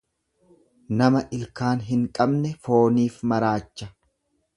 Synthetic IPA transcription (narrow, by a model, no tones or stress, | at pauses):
nɐmɐʔɪlkaːnɦɪŋkʼɐbnɛfoːniːfmɐɾaːt͡ʃːɐ